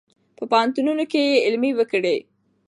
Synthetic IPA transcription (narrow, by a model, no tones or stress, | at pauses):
pəpɑnt̪ununokejeɪlmiwəkɽe